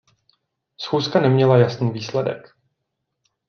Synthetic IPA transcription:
sxuːskanɛmɲɛlajasniːviːslɛdɛ̰k

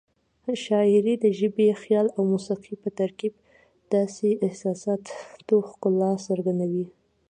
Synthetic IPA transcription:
ʃɑɪɾid̪əʒəbexjɑlawmusiqʰipət̪aɾkib̚ | d̪̥ɑseʔɪhsɑsɑt̪t̪oxkʊlːɑsəɾɡand̪awi

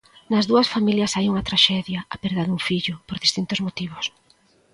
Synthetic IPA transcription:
nɐzðuɐsfamiljɐsajuŋɐt̪ɾaʃɛðjɐapɛɾðaðuŋfiʎʊpoɾðist̪int̪ʊzmot̪iβ̞ʊs

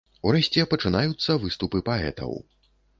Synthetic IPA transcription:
uɾɛsʲt͡sʲɛpɐt͡ʂɨnajut̪sːɐvɨst̪upɨpaɛ̰t̪ɐ̰w

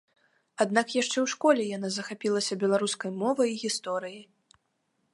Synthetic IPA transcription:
ad̪nakjaʂt͡ʂɛwʂkɔlʲɛjan̪azɐxapʲilˠɐsʲɐbʲɛlˠaɾuskɐjmɔvɐjiɣʲist̪ɔɾɨjij

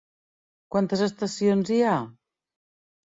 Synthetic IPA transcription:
kwant̪əzəst̪əsionzia

